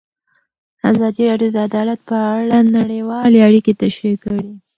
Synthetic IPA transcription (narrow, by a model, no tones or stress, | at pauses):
azɑd̪iɾɑɖjod̪əad̪ɑlat̪̚pəaɽanaɽəjwɑleaɽiket̪aʃɾikəɽi